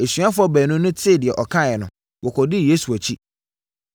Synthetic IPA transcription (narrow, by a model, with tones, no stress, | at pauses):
e˨sɥa˦fʊ˦ɔ˦bæː˨nʊ̃˦nʊ̃˦tʰɪ˦˨dɪ˨ɛ˨ʔɔ˨kʰã˦˨ɛ˨nʊ̃˨ | wɔ˨kʰɔ˨dɪ˦˨jeː˦su˨æ˨t͡ɕʰi˦